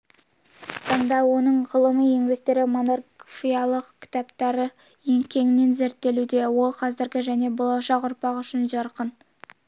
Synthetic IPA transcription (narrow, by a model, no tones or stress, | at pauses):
t̪ʰɑɴd̪ɑwo̞nəɴʁəlˠəməje̞ŋbe̞k̚t̪e̞ɾɪmo̞narfijɑlˠəqkʲʰɪ̥t̪ɑpt̪ɑɾə | je̞ŋkʲʰe̞ŋɪne̞nze̞ɾt̪ːe̞lud̪e̞wo̞lˠqʰɑzɪɾɡʲɪʒæne̞bo̞lˠɑʃɑqʊɾpɑqʏʃɪnʒɑɾqən